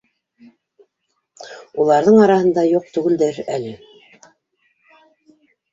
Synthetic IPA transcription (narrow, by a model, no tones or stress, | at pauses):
ulˠɑɾðɤɴɑɾɑhɤ̆nd̪ɑjuq̚t̪ʉɡɘ̆ld̪ɘɾælɘ